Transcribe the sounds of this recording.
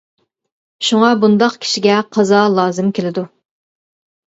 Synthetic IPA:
ʃuŋɑbund̪ɑqkʲʰi̥ʃiɡʲɛqʰɑzɑlˠɑːzɨmkʲʰelɪd̪u

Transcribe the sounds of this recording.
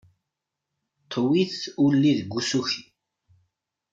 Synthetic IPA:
t̪ʰwiθulːiðɡʷːusuçi

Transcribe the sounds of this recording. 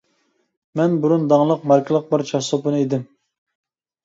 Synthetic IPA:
mɛnbuɾund̪ɑŋlˠəqmɑɾkʲʰɨlˠəq̚bəɾt͡ʃʰɑspunɨeid̪ɪm

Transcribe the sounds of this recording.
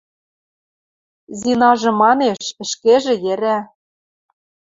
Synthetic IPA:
zinɑʒɤ̆mɑneʃɘ̆ʃkeʒĕjɘ̆ɾæ

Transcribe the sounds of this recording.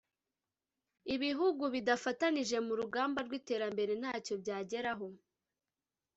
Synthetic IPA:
iβiɦuɡuβidafataniʒe̞muɾuɡaːmbaɾɡwite̞ːɾambe̞ɾe̞n̥haːco̞bɟaːɟe̞ɾaɦo̞

